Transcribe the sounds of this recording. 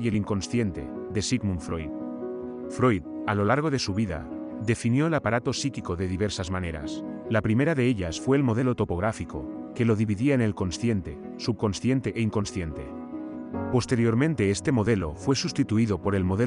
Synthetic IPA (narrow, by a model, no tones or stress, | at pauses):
jeliŋko̞nsθje̞nt̪e̞̰d̪e̞siɣmũɱfɾojt̪ | fɾo̞jt̪alo̞laɾɣ̞o̞ðe̞suβ̞iða̰d̪e̞finjo̞elapaɾat̪o̞sikiko̞ðe̞ðiβe̞ɾsazmãne̞ɾa̰slapɾime̞ɾaðe̞eʎasfwe̞ːlmo̞ð̞e̞lot̪o̞po̞ɣɾafiko̞ | ke̞lo̞ð̞iβiðiaenelko̞nsθje̞nt̪e̞ | sub̚ko̞nsθje̞nt̪e̞ʔeiŋko̞nsθje̞nt̪e̞̰ | po̞st̪e̞ɾjo̞ɾmẽnt̪e̞est̪e̞mo̞ðe̞lo̞fwe̞sust̪it̪uiðo̞po̞ɾe̞lmo̞ðe